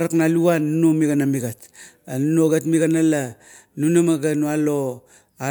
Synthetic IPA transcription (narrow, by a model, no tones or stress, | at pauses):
ɾaknaluanːunomiɡanamiɡat | anunoɡatmiɡanala | nunamaɡanualo | a